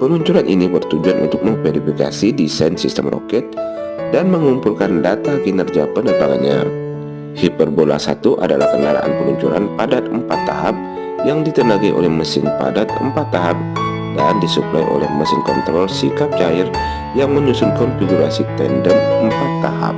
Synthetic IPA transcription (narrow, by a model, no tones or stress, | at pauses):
pəluɲt͡ʃuɾanʔinibərt̪ud͡ʒuanʔṵnt̪ʊk̚məŋfeɾifika̰sidisansist̪əmrɔ̰kɛt̪̚ | danməŋumpulkandat̪aɡinərd͡ʒiapənənpaɡa̰ɲa̰ | hipərbola̰sa̰t̪uʔa̰dala̰hkəŋaɾa̰ʔa̰npəluɲt͡ʃuɾanpadat̪̚əmpat̪ːa̰ɦap̚ | jaŋdit̪ənaɡaiʔo̰lɛhməsɪnpa̰dat̪̚ə̰mpat̪ːaɦap̚ | dandisupla̰jʔo̰lɛ̰hməsɪnkɔnt̪ɾɔlsikap̚d͡ʒaɪr | jaŋməɲusʊnkɔnfiɡuɾasit̪ɛndənəmpat̪ːaha̰p̚